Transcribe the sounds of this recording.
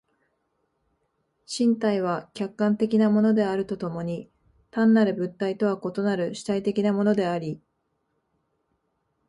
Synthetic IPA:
ɕĩnt̪aiβ̞akʲakːãnt̪e̞kʲinamo̞no̞d̪e̞aɾɯ̟t̪o̞t̪o̞mo̞ɲ̟i | t̪ãnːaɾɯ̟bɯ̟t̪ːait̪o̞βako̞t̪o̞naɾɯ̟ɕi̥t̪ait̪e̞kʲinamo̞no̞d̪e̞aɾʲi

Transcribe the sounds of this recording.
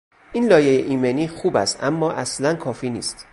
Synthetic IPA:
ʔiːnlɒːjejeʔiːmeniːxuːbæst̪ʔæmːɒːʔæslænkʰɒːfiːnḭːst̪

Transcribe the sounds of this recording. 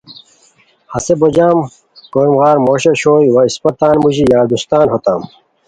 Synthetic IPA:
hɐsebod͡ʑaːm | koːmɣaːɾmoːɕeɕoːjwɐispɐt̪aːnmuʑijaːɾd̪ust̪aːnɦot̪aːm

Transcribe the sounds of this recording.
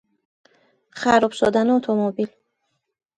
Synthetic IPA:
χaɾɔpsɔd̪anuɔt̪ʰɔmɔbil

